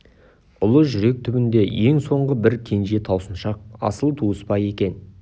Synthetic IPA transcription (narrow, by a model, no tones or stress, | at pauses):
ʊlˠəʒʏɾe̞k̚t̪ʰʏbɪnd̪e̞je̞ŋso̞ɴʁəbɪɾkʲʰe̞nʒe̞t̪ʰɑwsənʃɑq̚ɑ̰səlˠt̪ʰuəspɑje̞kʲe̞n